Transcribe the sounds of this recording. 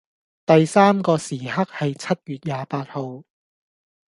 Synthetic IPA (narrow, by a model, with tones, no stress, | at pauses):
t̪ɐ˨jsaː˥mkɔː˧siː˨˩ɦɐ˥k̚hɐ˨jt͡sʰɐ˥t̚jyː˨t̚jaː˨paː˧t̚ho˨w